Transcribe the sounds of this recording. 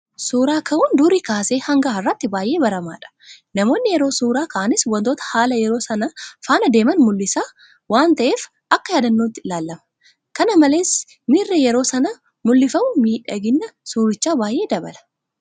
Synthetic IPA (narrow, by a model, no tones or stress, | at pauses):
suːɾaːkʰɐʔund̪uːɾiːkaːseːhɐŋɡaːɪrːɐt̪ːɪbaːjʔe̞ːbɐɾɐma̰ːᶑɐ̥ | nɐmo̞ːnːɪjɛɾo̞ːsuːɾaːkɐʔɐnɪswɐnt̪oːt̪ɐ̥haːlɐjɛɾo̞ːsɐnɐfaːnɐd̪e̞ːmɐnmʊlːɪsaː | waːnt̪ɐʔe̞ːf | ʔɐkːɐjaːd̪ɐnːoːt̪ːɪlaːlːɐmɐ̥ | kɐnɐmɐleːs | miːrːɛjɛɾo̞ːsɐnɐ | mʊlːɪfɐmʊmiːᶑɐ̰ɡɪnːɐsuːɾɪt͡ʃːaːbaːjʔe̞ːd̪ɐbɐ̰lɐ̥